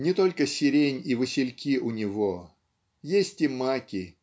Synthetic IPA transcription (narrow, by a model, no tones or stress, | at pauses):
nʲɪt̪o̞lʲkəsʲɪɾʲenʲivɨsʲɪlʲkʲiʔʊnʲɪvo | jesʲtʲɪmakʲɪ